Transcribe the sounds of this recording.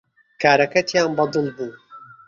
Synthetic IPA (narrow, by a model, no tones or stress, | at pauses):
kʰaːɾɐkɐt̪ʰjaːnbɑd̪ɨlbuː